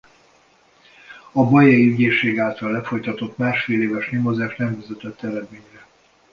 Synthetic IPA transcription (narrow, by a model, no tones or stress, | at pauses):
ɒbɒjɛiyɟeːʃeːɡaːlt̪ɒlːɛfo̞jt̪ɒt̪o̞t̪maːʃfeːleːvɛʃnemozaːʃt̪nɛmvyzɛt̪ɛt̪ːɛɾɛd̪meːɲrɛ